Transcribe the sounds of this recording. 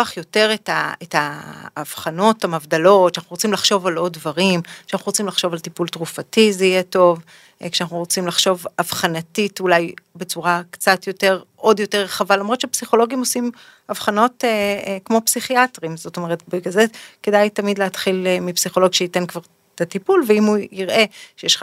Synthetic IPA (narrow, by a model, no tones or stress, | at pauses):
aχjo̞te̞ʁetaetaːv̥χano̞thamavdalo̞tʃeanaχuʁot͡simlaχʃo̞valo̞dvaʁimkʃeanaχnuʁot͡simlaχʃo̞valtipultʁufatizeijɛto̞v | kʃeanaχnuʁot͡simlaχʃo̞vavχanatitulajbe̞t͡suʁakt͡satjo̞te̞ʁʔo̞djo̞teʁːeχavalamʁott͡ʃʃeapsiχo̞lo̞ɡimo̞sim | avχano̞tekmo̞psiχiatʁimzo̞to̞meʁetbiɡalzekedajtamidleatχilmipsiχo̞lo̞ɡʃeite̞nkvaʁ | tatipulveimuiʁʔe̞ʃejeʃ